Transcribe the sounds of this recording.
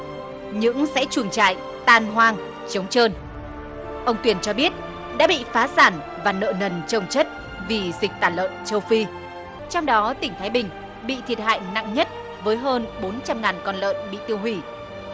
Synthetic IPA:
ɲɨ̰˧˥ŋsɛ̰˧˥t͡ɕu˧˩ənt͡ɕa̰ː˧˨j | t̪aː˧˩nɦwaː˧ŋ | t͡ɕə˨˦wŋ͡mt͡ɕəː˧n | ʔə˧wŋ͡mt̪wi˧˩ənt͡ɕɔ˧ɓi˦˥ət̚ | ɗa̰ː˧˥ɓḭ˧˨faː˨˦saː˧˩n | vaː˨˩nə̰ː˧˨nə˨˩nt͡ɕə˨˧˩wŋ͡mt͡ɕə˦˥t̚ | vi˨˩zï˨˩k̟̚t̪aː˧˩lə̰ː˧˨nt͡ɕə˧wfi˧ | t͡ɕɔ˧wŋ͡mɗɔ˨˦t̪ï˧˩ŋ̟t̪ʰaː˨˦jɓï˨˩ŋ̟ | ɓḭ˧˨t̪ʰi˨˩ət̚ha̰ː˧˨jna̰˧˨ŋɲə˦˥t̚ | vəː˨˦jɦəː˧nɓo˨˦nt͡ɕa˧mŋaː˨˩nkɔ˧nlə̰ː˧˨nɓḭ˧˨t̪i˧əwɦwi˧˩

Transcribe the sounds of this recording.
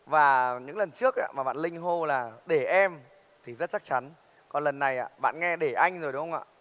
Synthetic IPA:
vaː˨˩ɲɨ̰˧˥ŋlə˨˩nt͡ɕɨ˦˥ək̚ʔa̰ː˧maː˨˩ɓa̰ː˧˨nlï˧ŋ̟ɦo˧laː˨˩ɗe˧˩ʔɛ˧m | t̪ʰi˨˩zə˦˥t̚t͡ɕa˦˥k̚t͡ɕa˨˦n | kɔ˨˩nlə˨˩nːa˨˩jʔa̰ː˧˨ɓa̰ː˧˨nŋɛ˧ɗe˧˩ʔa˧jŋ̟zo˨˩jɗə˨˦hwŋ͡mʔa̰ː˧˨

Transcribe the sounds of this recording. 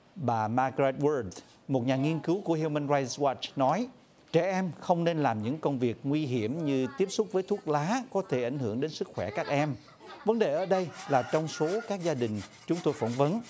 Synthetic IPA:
ɓaː˨˩maː˧kɹɛ˧˦˥t̚wə˧d | mo˨˩t̚ɲaː˨˩ŋi˧ənkɨ˨˦wku˧˩əhi˧mə˧nza˧jwaː˧˩t͡ɕnɔ˨˦j | t͡ɕɛ˧˩ʔɛ˧mxə˧wŋ͡mne˧nlaː˨˩mɲɨ̰˧˥ŋkə˧wŋ͡mvi˨˩ək̚ŋwi˧ɦi˧˩əmɲɨ˧t̪i˦˥əp̚sʊ˦˥k͡p̚vəː˨˦jt̪ʰu˦˥ək̚laː˨˦kɔ˨˦t̪ʰe˧˩ʔa˧˩jŋ̟hɨ˧˩əŋɗe˨˦nsɨ˦˥k̚xwɛ˧˩kaː˦˥k̚ʔɛ˧m | və˨˦nɗe˨˩ʔəː˧˩ɗə˧jlaː˨˩t͡ɕɔ˧wŋ͡mso˨˦kaː˦˥k̚zaː˧ɗï˨˩ŋ̟t͡ɕʊ˨˦ŋ͡mt̪o˧jfə˧˩nvə˨˦n

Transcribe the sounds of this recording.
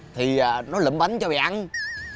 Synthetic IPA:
t̪ʰi˨˩a˨˩nɔ˨˦lə̰˧˩mɓa˨˦nt͡ɕɔ˧ɓa̰ː˧˨ʔa˧n

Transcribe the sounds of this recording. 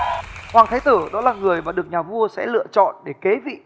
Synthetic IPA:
hwaː˨˩ŋt̪ʰaː˨˦jt̪əː˧˩ɗɔ̰˨˦laː˨˩ŋɨ˨˩əjmaː˨˩ɗɨ˨˩ək̚ɲaː˨˩vu˧əsɛ̰˧˥lɨ̰˧˨ət͡ɕɔ̰˧˨nɗe˧˩ke˨˦vḭ˧˨

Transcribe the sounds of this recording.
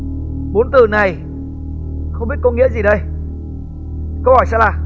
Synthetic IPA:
ɓo˨˦nt̪ɨ˨˩na˨˩j | xə˧wŋ͡mɓi˦˥t̚kə˧wŋḭ˧˥əzi˨˩ɗə˧j | kə˧whɔ˧˩jsaː˧wlaː˨˩

